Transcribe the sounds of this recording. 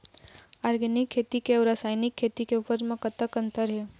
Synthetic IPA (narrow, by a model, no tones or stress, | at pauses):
aːɾɡɛnɪkʰːeːt̪ikeɔɾasaːjnɪkʰːeːt̪ikeupəɾmẽkət̪əkə̃nt̪əɾɦɛ